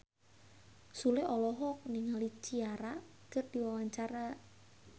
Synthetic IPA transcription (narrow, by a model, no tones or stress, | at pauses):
sulɪɔlɔɦɔk̚niŋalit͡ʃiaɾakərd̥iwawaɲt͡ʃaɾa